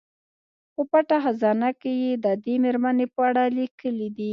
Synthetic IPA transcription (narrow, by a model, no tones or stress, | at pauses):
pəpaʈaxazɑnakejed̪əd̪emeɾmanepəaɽalikəlid̪i